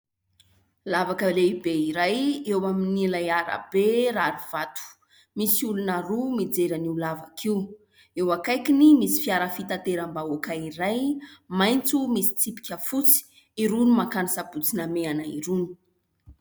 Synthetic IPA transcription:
lavakəleibeiɾajewaminilajaɾa̰b̥eɾaɾuv̥at̪u̥ | misiulunaɾumid͡zeɾaniulavakʰiu | ewakajkinimisi̥fiaɾəfit̪at̪eɾambaokaiɾajmajnt͡sumisi̥t͡sipi̥kʲəfut͡si̥ | iɾunumakanisabut͡sinameanaḭɾuni̥

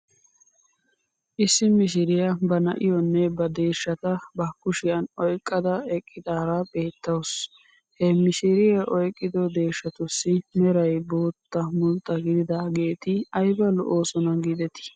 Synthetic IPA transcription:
ʔɪsːɪmɪʃ̬ɪɾɪjɐbɐnɐ̰ʔɪjɔnːɛbɐd̪e̞ːʃːɐt̪ɐbɐkːʊʃɪjɐnɔjkʼːɐd̪ɐɛkʼːɪd̪aːɾabe̞ːt̪ːɐws | hɛmɪʃɪɾɪjɐʔɔjkʼːɪd̪ɔd̪e̞ːʃːɐt̪ʊsːɪmɛɾɐjbo̞ːt̪ːɐmʊnt̪ʼːɐɡɪd̪ɪd̪aːɡe̞ːt̪ɪɐjbɐlɔ̰ʔo̞ːsɔnɐɡɪd̪ɛt̪ɪ̥

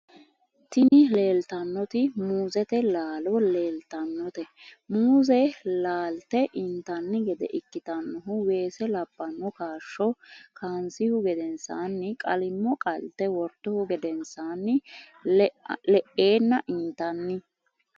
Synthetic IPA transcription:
t̪ɪnɪleːlt̪ɐnːɔt̪ɪmuːzɛt̪ɛlaːlɔleːlt̪ɐnːɔt̪ɛmuːzɛlaːlt̪ɛʔɪnt̪ɐnːɪɡɛd̪ɛ̰ʔɪkːɪt̪ɐnːɔɦʊwe̞ːsɛlɐbːɐnːɔkaːʃːɔkaːnsɪhʊɡɛd̪ɛnsaːnːɪkʼɐlɪmːɔkʼɐlt̪ɛwɔɾt̪ːɔhʊɡɛd̪ɛnsaːnːɪ | lɛʔe̞ːnːɐʔɪnt̪ɐnːɪ

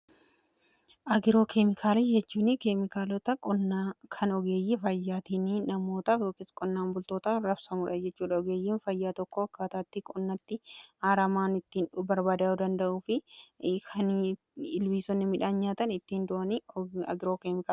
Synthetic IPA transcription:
ʔɐɡɪɾo̞ːkʰemɪkʰaːlɐd͡ʒɛt͡ʃːuːnɪkemɪkaːlɔt̪ɐkʼɔnkʰɐnɔɡe̞ːjːɪfɐjːaːt̪iːninɐmo̞ːt̪ɐfjoːkɪskʼɔnːaːmbʊlt̪o̞ːt̪ɐɾɐbsɐmuːᶑɐd͡ʒɛt͡ʃːuːᶑɐɔɡe̞ːjːiːnfɐjːaːt̪ɔkːɔɐkːaːt̪aːt̪ːɪkʼɔnːɐt̪ːɪhaːɾɐmaːnɪt̪ːiːnᶑʊbɐɾbaːd̪aːʊd̪ɐnd̪ɐʔuːfɪkʰɐn | ɪlwiːsɔnːɪmɪᶑaːnɲaːt̪ɐnɪt̪ːiːnd̪ʊʔɐniɐɡɪɾoːkeːmɪkaːl

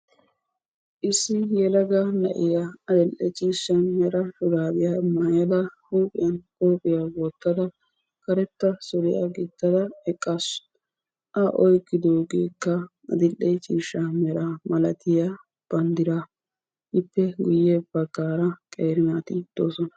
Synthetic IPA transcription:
ʔɪsːɪjɛlɐɡɐnɐ̰ʔɪjaɐd̪ɪlːɛt͡ʃʼiːʃːɐnmɛɾɐhʊɡaːbɪjɐmaːjɐd̪ɐhuːpʼɪjɐnʔoːpʼːɪjawoːt̪ːɐd̪ɐ | kɐɾɛt̪ːɐsɔɾɪjɐ̰ɡɪt̪ːɐd̪ɐɛkʼːasʊ̥ | ʔɐʔɔjkːɪd̪oːɡeːkːɐ | ɐ̰d̪ɪlːɛjt͡ʃʼiːʃːɐmɛɾamɐlɐt̪ɪjɐ | b̥ɐnd̪ɪɾa | ɪpːɛɡʊjːebɐɡaːɾɐkʼeːɾɪnat̪ɪd̪̥oːsɔnɐ

